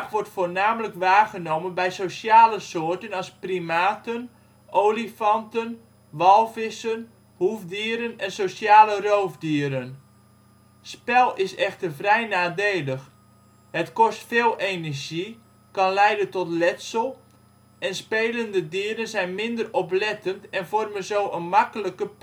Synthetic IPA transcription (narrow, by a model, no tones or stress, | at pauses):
xʋɔrtfoːrnaːmələkʋaːɣənowmənbɛjsosjaːləsoːərtənɑsprimaːtən | ʔowlifɑntən | ʋɑlˠfɪsən | hufdiəɾənɛnsowsjaːlərowvdiəɾən | spɛlˠɪsɛxtərvrɛjnaːdeːləx | hətkɔstfeːlˠenərʒi | kɑnlɛjdəntɔtlɛtsəlˠ | ɛnspeːləndədiəɾənzɛjnmɪndərɔplɛtəntɛnvɔrmənzoːʔənmakələkə